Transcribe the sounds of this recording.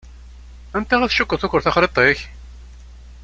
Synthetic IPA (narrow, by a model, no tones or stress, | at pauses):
ænt̪æʁæθʃʊkːəɾθʊkʷːəɾθæχɾet̪ˤeç